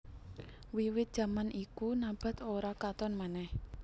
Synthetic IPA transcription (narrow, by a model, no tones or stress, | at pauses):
wiwɪt̪̚d̥ʒ̥ä̤manikunab̥a̤t̪oɾakat̪ɔnmanɛh